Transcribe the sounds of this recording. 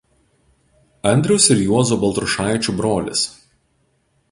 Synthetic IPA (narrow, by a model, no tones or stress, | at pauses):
ɐnʲd̪ʲɾʲɛʊsɪɾjuɔzuːbɐlˠt̪ɾʊʃɑˑɪt͡ʃʲubɾoːlʲɪ̰s